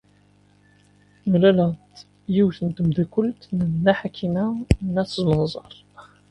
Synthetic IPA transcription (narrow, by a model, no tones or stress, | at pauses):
məlælæ | jiwθənt̪əmd̪ikʊlt̪nnːæħakʰːimænːæθəzmənzˤɑ̰ɾˤ